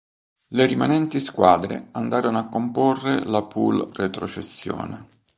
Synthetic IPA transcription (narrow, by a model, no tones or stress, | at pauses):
leɾimanɛnt̪iskwaːd̪ɾḛand̪aːɾonoakːomporːelapulret̪ɾot͡ʃesːjɔ̰ːne